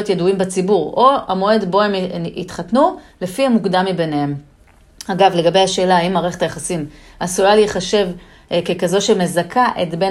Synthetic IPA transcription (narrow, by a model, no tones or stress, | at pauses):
ot̪jeduimbat͡sibuʁo̞a̰mo̞e̞d̪bo̞emit̪χatnule̞fiamukd̪amːibe̞nehe̞m | aɡavle̞ɡabejhaʃe̞ːlaimːaʁeχet̪ajaχasim | asulaliːχaʃe̞v | kekazo̞ʃeme̞zakʰaʔetbe̞n